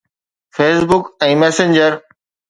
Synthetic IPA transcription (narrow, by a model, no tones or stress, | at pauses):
fʰeːsbʊkɛ̃ːmɛːsẽnd͡ʑəɾ